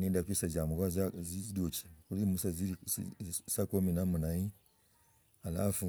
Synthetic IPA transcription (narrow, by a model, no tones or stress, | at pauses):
nidakʷisazamuɡazzizidot͡ʃi̥kulimusazi | sakominamunai | ala̰fu